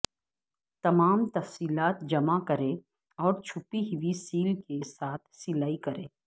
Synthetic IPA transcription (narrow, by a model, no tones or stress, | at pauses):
t̪ɐmaːmt̪ɐfsiːlaːt̪̚d͡ʒɐmakɐɾẽ | ɔːɾt͡ʃʰʊpiɦɪʋisiːlkesaːt̪ʰsɪlaːikɐɾẽː